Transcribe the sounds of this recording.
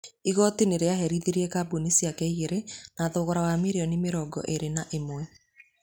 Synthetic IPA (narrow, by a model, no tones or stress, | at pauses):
iɣɔtineɾeaɦɛɾiðiɾiɛkabunisiakɛiɣeɾenaðoːɣɔɾawamiɾeɔnimeɾɔɡɔ̰ʔeɾenaʔemwɛ